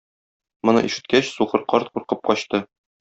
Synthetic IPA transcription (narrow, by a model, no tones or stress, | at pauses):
mŏnɤ̰ʔiʃɘ̆t̪̚kæɕsuqɤ̆ɾqɒɾt̪quɾqɤp̚qɒɕt̪ɤ